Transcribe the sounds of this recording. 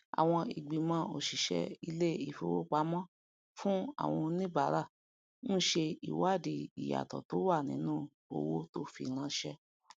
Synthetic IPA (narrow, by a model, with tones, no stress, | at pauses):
a̰˨w̃ɔ̃˧i˨ɡ͡bĩ˨mɔ̃˨˦o˨ʃi˨ʃɛ̰˧i˧le˦i˨fo˧˨wo̰˦k͡pa˦mɔ̃˦ | fũ˦a̰˦˨w̃ɔ̃˧nĩ˦ba˨˦ɾa˦˨ | nũ˦ʃe˧i˨wa˦˨di˨i˨ja̰˨tɔ̰˨to˨˦wa˦˨nĩ˨˦nũ˦˨ | o̰˧wo˦to˦fḭ˧˨ɾ̃ã˧˦ʃɛ˧